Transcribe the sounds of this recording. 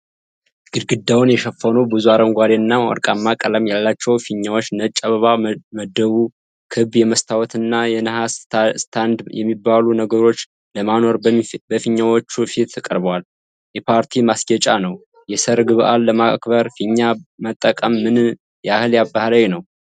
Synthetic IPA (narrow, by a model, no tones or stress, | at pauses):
ɡ̥ɨd̪ɡɨd̪ːawunjɛʃəfːənubɨzuaɾənɡʷaɾenːawɔ̰ɾkʼamːakʼələmjalːat͡ʃːɛwfiɲːawot͡ʃːnət͡ʃʼːəβəβaməd̪ːəβu | kʰɨbjɛməst̪ʰawɔt̪ʰɨnːajɛnəhasst̪ʰand̪jɛmːibːalunəɡəɾo̞t͡ʃː | ləmano̞ɾbəfiɲːawot͡ʃːufit̪ʰːɨkʼəɾbəwal | jɛpʰaɾt̪ʰimasɡət͡ʃʼanəw | jɛsəɾɡɨβɨʔalːəmakbəɾfiɲːamət̪ʼːəkʼəmːɨn | jahɨljabahlawnəw